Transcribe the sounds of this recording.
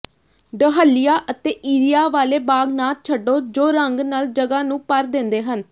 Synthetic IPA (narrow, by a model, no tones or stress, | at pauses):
ɖəɦəlːɪjaːʔət̪eːʔiːɾijaːʋaːleːbaːɡnaːt̪̚t͡ʃʰəɖːoːd͡ʒoːɾəŋɡnəld͡ʒəɡaːnũːpəɾd̪ɪ̃nd̪eːɦən